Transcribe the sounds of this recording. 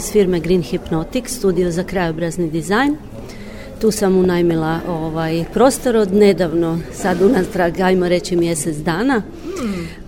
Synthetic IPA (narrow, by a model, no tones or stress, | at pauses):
sfiɾmeɡɾinxipnot̪ikst̪uːd̪iozakɾajobɾaznid̪izajn | t̪uːsamunajmilˠaʔoːʋajpɾo̞ːst̪oɾod̪ne̞d̪aʋnosad̪unast̪ɾaɡajmoɾe̞t͡ɕimje̞set̪zd̪aːna